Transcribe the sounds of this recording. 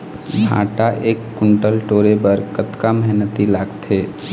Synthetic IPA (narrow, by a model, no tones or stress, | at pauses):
bʱa̰ːʈaʔeːkːʊɳʈəlʈoːɾebəɾkət̪kamɛɦnət̪ilaːɡt̪eː